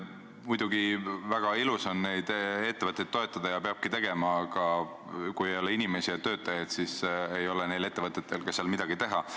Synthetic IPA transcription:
mujd̪̥uɡ̥ivæɡ̥ɑilusɑnne̞jd̪̥e̞t̪ːe̞vɤt̪ˑːet̪ːo̞e̞t̪ˑːɑd̪̥ɑjɑpeɑb̥̚kit̪e̞ɡ̥e̞mɑːɡ̥ɑ | kujejo̞leinime̞siɑt̪ø̞ːt̪ːˑɑjɑd̪̥sisejo̞lene̞jle̞t̪ːe̞vɤt̪ːˑe̞t̪ːˑe̞lkɑseɑlmid̪̥ɑɡ̥it̪e̞ɦɑ

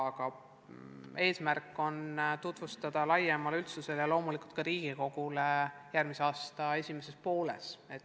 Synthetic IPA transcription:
ɑɡ̥ɑ | e̞ːsmærkːˑo̞nt̪ut̪vust̪ɑd̪̥ɑlɑjemɑlylt̪suse̞ljɑlo̞ːmulikult̪̚kɑɾiːɡ̥iko̞ɡ̥ulejærmiseɑːst̪ɑe̞sʲimese̞spo̞ːle̞̰se̞t̪ː

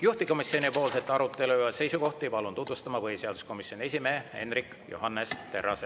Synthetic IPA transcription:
juht̪iko̞misːio̞nipo̞ːlse̞t̪ːɑɾut̪ːˑe̞luɑse̞jsuko̞ht̪ipɑlunt̪ut̪vust̪ɑmɑvɤjseɑd̪u̥sko̞misːjo̞ne̞s̬ʲimeːe̞̰nrikː | jo̰ɦɑnːest̪e̞rːɑse

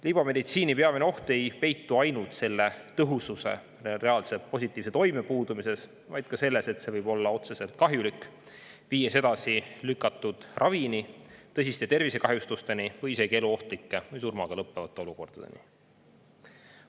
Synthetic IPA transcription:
lib̥ɑme̞d̪it̪siːnipe̞ɑmeneo̞ht̪e̞jpe̞jt̪ːuɑjnult̪se̞lːe̞t̪ɤɦususe̞̰ | re̞ɑlse̞po̞s̬ʲit̪ːˑiːvs̬e̞t̪o̞jme̞puːd̪umise̞s | vɑjd̪̥̚kɑse̞lːese̞t̪se̞vɤjb̥o̞lːɑo̞t̪se̞se̞lt̪̚kɑɦjulikː | viːjɑse̞d̪ɑsilykːˑɑt̪ːˑud̪̥rʔɑvinit̪ɤs̬ʲist̪e̞t̪e̞rvise̞kɑɦjust̪ust̪e̞nivɤjise̞ɡ̥ieluo̞ht̪likːe̞vɤjsurmɑɡ̥ɑlɤpːevɑt̪ːˑe̞o̞luko̞rd̪̥ɑd̪̥ḛnḭ

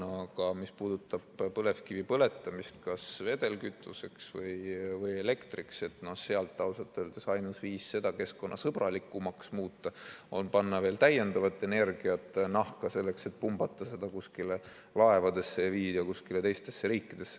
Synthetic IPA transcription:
ɑkɑmispuːd̪̥ut̪ːˑɑb̥pɤle̞fkivipɤle̞t̪ːˑɑmist̪kɑsve̞d̪̥e̞lkyt̪ːˑuse̞ksvɤjvɤje̞le̞kt̪rikse̞t̪ˑnoseɑlt̪ːɑwsɑt̪ːˑeld̪̥esɑjnusviːsːe̞d̪̥ɑke̞skko̞nːɑsɤb̥rɑlikːˑumɑksmuːt̪ːɑo̞npɑnːɑveːlt̪æje̞nd̪ɑvɑt̪ːˑe̞ne̞rɡ̥iɑt̪ːˑnɑhkɑse̞lːe̞kse̞t̪̚pumb̥ɑt̪ˑːɑse̞d̪̥ɑkuskile | lɑe̞vɑd̪̥e̞sːejɑviːd̪̥eokuskile̞t̪e̞jst̪e̞sːeɾiːkːˑid̪̥e̞sːe

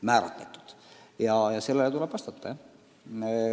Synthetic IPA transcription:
mæːɾɑt̪met̪ːˑu̥d̪̥jɑjɑse̞lːelet̪uleb̥vɑst̪ɑt̪ːˑɑ

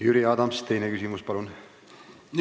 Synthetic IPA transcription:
jyɾiɑːd̪ɑmst̪e̞jnekys̬ʲimuspɑlun

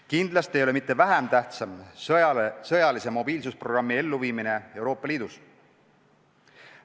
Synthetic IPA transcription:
kind̪lɑst̪ejo̞le̞mit̪ːe̞væɦæmt̪æht̪sɑm | sɤjɑlise̞mo̞b̥iːlsusproɡrɑmːie̞lːuviːmine̞e̞wɾo̞ːpˑːɑliːd̪̥us

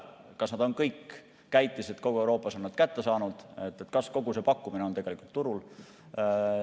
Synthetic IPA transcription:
kɑsnɑd̪̥o̞nkɤjkː | æjt̪ːˑise̞t̪̚ko̞ɡ̥uewɾo̞ːpːˑɑso̞nːɑd̪̥kæt̪ːe̞sɑːnud̪̥et̪ːˑet̪kɑsko̞ɡuse̞pɑkˑːumineot̪e̞ɡ̥e̞likult̪ːuɾul

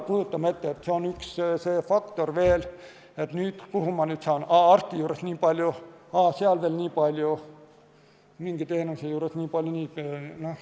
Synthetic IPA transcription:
kujut̪ːɑmɑe̞t̪ːeet̪ːseonyksseːfɑkt̪o̞rʋe̞ːl | et̪nyːd̪̥puɦumɑnyːt̪sɑonɑːɑrt̪ːijuːɾesniːpɑlʲjuɑːseɑlveːlnʲiːpɑlʲju | miŋɡ̥it̪e̞ːnusejuːɾesnʲiːpɑljunʲiːnoh

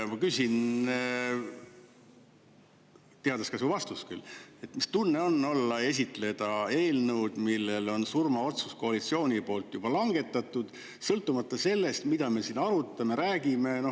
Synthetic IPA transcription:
mɑkysʲin | t̪eɑd̪̥eskɑsuvɑst̪usky̰lːe̞t̪ːmist̪unːe̞o̞nːo̞lːɑe̞s̬ʲit̪ˑle̞d̪̥ɑe̞ːlnəwd̪̥milːe̞lo̞nsurmɑo̞t̪susko̞ɑlit̪sio̞ːnʲipo̞ːlt̪ːˑjub̥ɑlɑŋɡ̥e̞t̪ːˑɑt̪ːˑud̪̥ | sɤlt̪ːˑumɑt̪ːˑɑse̞lːe̞st̪mid̪ɑme̞siːnɑɾut̪ːˑɑme̞ɾæːɡ̥ime̞no̞

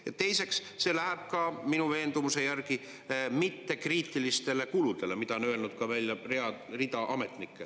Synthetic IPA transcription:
jɑt̪e̞jse̞ks | se̞læɦæb̥̚kɑminuve̞ːnd̪umuse̞jærki | mit̪ːe̞kriːt̪ːˑilist̪e̞le̞kulud̪̥e̞lemid̪ɑonø̞ːlnut̪̚kɑvælʲjɑreɑ | rid̪ɑʔɑme̞t̪nikːˑe

